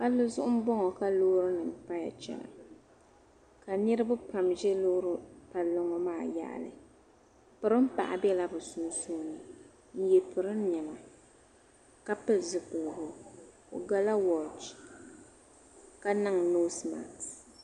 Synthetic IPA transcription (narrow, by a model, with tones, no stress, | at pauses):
ka˦lʊ˦zʊ˦ʔʊ˦m̩˦bɔ˦ŋɔ˨ka˦loː˦ɾɨ˦nɨ˨m̩˨pa˦ja̰˨t͡ʃɛ̰˨na̰˨ | ka˨nɨ˦ɾɨ˦bʊ˦pa˨mʒɛ˦loː˦ɾʊ˦pa˨lːo˦ŋɔ˦maː˦˨ja̰˦˨ʔa̰˨lɨ̰˨ | pɨ˨ɾɨ˦m̩˦pa̰˨ʔa̰˨bɛ˦la˦bɨ˨sʊ˨n˦suː˦nɨ˨ | n̩˦jɛ˨pɨ˨ɾɨ˦n˦ɲɛ˨ma˨ | ka˦pɨ˦zɨ˨kʊ˨lɡʊ˨ | o̰˨ɡa˦la˦wɔ˨t͡ʃ | ka˦na˦ŋ˨no˦sma̰˨t